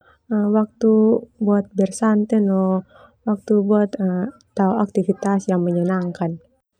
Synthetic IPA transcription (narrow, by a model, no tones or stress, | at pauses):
əmwak̚t̪ubuat̪̚bɛrsant̪ɛnɔ | wak̚t̪ubuat̪ət̪auak̚t̪ifit̪asjaŋməɲənaŋkan